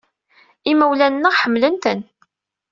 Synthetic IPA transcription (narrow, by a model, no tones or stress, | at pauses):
iməwlænːəʁħəmːlənt̪ən